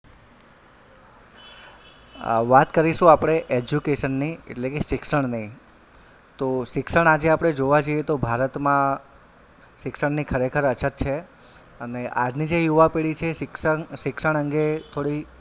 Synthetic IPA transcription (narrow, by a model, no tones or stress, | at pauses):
ʋat̪kəɾiʃũapɽ̃eʔed͡ʒjukeʃənːiḛʈlekeʃɪkʃəɳ̃nəi | t̪oʃɪkʃəɳ̃ad͡ʒeapɽ̃ed͡ʒoʋad͡ʒəijet̪obʱaɾət̪mã | ʃɪkʃəɳnikʰəɾekʰəɾət͡ʃʰət̪t͡ʃʰe | əneʔa̰d͡ʒnid͡ʒejuʋapeɭit͡ʃʰekʃɪkʃəɳ̃əŋɡet̪ʰoɽi